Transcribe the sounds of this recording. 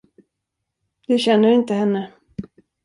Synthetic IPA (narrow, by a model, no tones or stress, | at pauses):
d̪ɵɕɛnːəɾɪnt̪əɦɛnːə